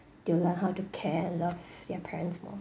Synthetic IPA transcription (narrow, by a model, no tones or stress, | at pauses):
d̥ulənɦaʊtukʰɛɛ̃nlʌvdɛpʰɛɹɛ̃ntsmɔ̰